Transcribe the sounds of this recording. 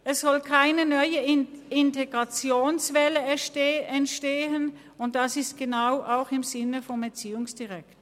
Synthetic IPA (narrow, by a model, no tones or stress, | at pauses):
ʔɛsz̥ɔlkʰaɪnənœʏəɪnteɡ̥ʁat͡sjoːnsvɛləɛntʃteːən | ʊnt̚d̥asɪstɡ̥ənaʊʔaʊxɪmzɪnəfɔnɛt͡siːʊŋsd̥iʁɛkt